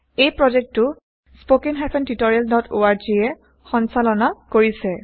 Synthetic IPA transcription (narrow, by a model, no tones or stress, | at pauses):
ejpɹɔzɛk̚tʊ | spokinɦapʰɛntitɔɹialdʱɔtʰo̰aɹd͡ʒiɛ | xɔnsalɔnakoɹisɛ